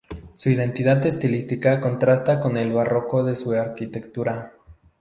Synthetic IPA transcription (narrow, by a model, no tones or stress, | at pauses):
suið̞e̞nt̪iðaðe̞st̪ilist̪ikako̞nt̪ɾast̪ako̞ne̞lβaro̞ko̞ðe̞suaɾkit̪e̞kt̪uɾa